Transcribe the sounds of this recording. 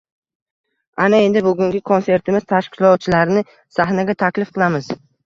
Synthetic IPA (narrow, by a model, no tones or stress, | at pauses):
anae̞nd̪ɪbʊɡʲʊŋɡʲɪkʰonse̞ɾt̪ʰɪmɪz̥t̪ʰaʃkʲʰɪ̥lɒt̪̚t͡ʃʰɪlaɾnɪ | saɦnaɡʲat̪ʰakʲlɪfqʰɨlˠamɪz̥